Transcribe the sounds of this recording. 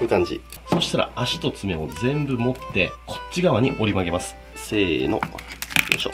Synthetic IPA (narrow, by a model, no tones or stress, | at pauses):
ɯkãɲ̟d͡ʑḭ | so̞ɕi̥t̪aɾa̰aɕi̥t̪o̞t͡sɨme̞o̞d͡zẽ̞mbɯ̟mo̞t̪ːe̞kʰo̞̥t͡ɕt͡ɕːiɡaβaɲ̟iʔo̞ɾʲimaɡe̞masɨ̥ | se̞ːno̞̰oɕo̰